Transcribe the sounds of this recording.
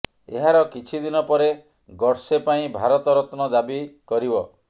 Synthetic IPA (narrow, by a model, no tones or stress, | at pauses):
eɦaɾɔkit͡ʃʰid̪inɔpɔɾe | ɡɔɾsepaĩbʱaɾɔt̪ɔɾɔt̪nɔd̪abikɔɾibɔ